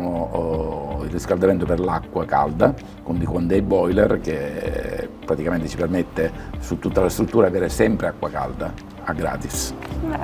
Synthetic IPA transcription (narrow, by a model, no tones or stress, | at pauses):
mo | ilːiskald̪ament̪operlakːwaka̰ld̪a | kwund̪ikwand̪ɛjbɔjlɛ̰rk̟e | pːɾat̪ikament̪et͡ʃipermet̪ːesut̪ːut̪ːalast̪ɾut̪ːuːɾaavɛːɾesɛmpɾeakːwaka̰ld̪a | aɡːɾa̰ːt̪is